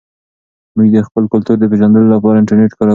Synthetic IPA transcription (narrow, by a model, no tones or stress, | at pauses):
muɡd̪əxpəlkʊlt̪uɾd̪əp̬eʒɑnd̪əlolapɑɾaɪɳʈaɾneʈkɑɾa